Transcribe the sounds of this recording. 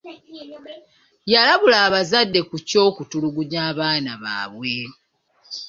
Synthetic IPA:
jalaβulaːβazadːe̞kuco̞ːkutuluɡuɲaːβaːnaβa̰ːβwe̞

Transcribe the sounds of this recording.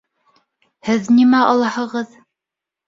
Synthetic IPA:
hɘðnimæɑlˠɑhɤ̆ʁɤð

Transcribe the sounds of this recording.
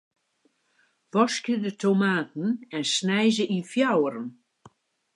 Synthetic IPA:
ʋɔskjədətʰomaːtn̩ɛnsnɛjzəʔifjawəɾən

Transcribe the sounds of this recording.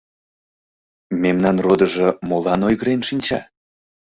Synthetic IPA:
memnɑnrod̪əʒɤmolɑnojɣəɾenʃinʲt͡ɕɑ̰

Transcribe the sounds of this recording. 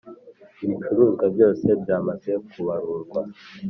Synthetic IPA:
iβit͡ʃuɾuːŋɡabɟo̞ːse̞bjaːmaze̞kʰuβaɾuɾɡwa

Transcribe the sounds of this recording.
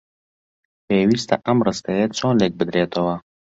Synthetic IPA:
peːwist̪a̰ʔamɾəst̪ajet͡sõːlek̚bəd̪ɾeːt̪owa

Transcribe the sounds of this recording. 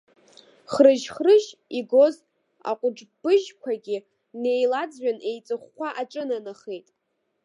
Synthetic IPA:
χrɨʒχrɨʒiɡo̞z | a̰qʷʼʊʈ͡ʂbɨʒkʷʰaɡʲɪ | ne̞jlad͡zɥᶣane̞jt͡sʼɨχːʷaʔaʈ͡ʂʼɨnanɨχejtʼ

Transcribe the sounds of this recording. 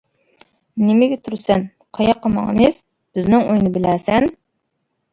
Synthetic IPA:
nɪmɪɡʲɛt̪ʰuɾsɛn | qʰɑjɑqʰːɑmɑ̰ŋmɪz̥ | b̥ɪznɪŋojnɨbɪlæsɛn

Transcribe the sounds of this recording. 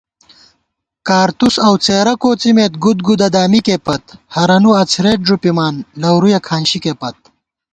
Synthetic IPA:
kaːɾt̪usɐwt͡seːɾɐkoːt͡simeːt̪̚ɡud̪̚ɡud̪ɐd̪aːmikeːpɐt̪hɐɾɐnuɐt͡sʰɾeːʈ̚ʐupimaːnlɐwɾujɐkʰaːnɕikeːpɐt̪̚

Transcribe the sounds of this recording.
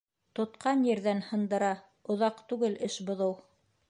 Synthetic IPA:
t̪ŏt̪qɑnjɘ̆ɾðænhɤ̆nd̪ɤ̆ɾɑ | ŏðɑqt̪ʉɡɘlɘʃbŏðɤw

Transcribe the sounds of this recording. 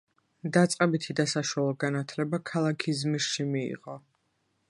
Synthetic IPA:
d̪at̪sʼqʼɛbit̪ʰid̪asaʃwalˠɔɡanat̪ʰlɛbakʰalˠakʰizmiʃimiḭʁɔ

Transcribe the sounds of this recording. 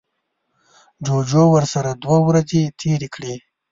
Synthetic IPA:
d͡ʒod͡ʒowəɾsaɾad̪wawɾazet̪ʰeɾekɽe

